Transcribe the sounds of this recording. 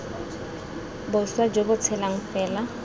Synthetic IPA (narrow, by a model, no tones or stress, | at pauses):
bʊswad͡ʒobʊt͡sʰɛlaŋ̩fɛːla